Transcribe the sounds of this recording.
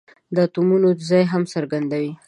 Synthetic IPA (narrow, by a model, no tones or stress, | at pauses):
d̪ət̪umunod̪əzɑjɦamsəɾɡand̪awi